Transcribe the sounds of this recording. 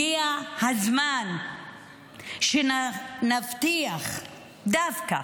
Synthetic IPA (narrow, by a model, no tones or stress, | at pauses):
ijahazman | ʃennaft̪iaχ | d̪afka̰